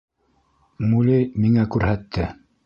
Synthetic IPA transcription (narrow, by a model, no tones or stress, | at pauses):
mulijmiŋækʉɾhæt̪ʰːɘ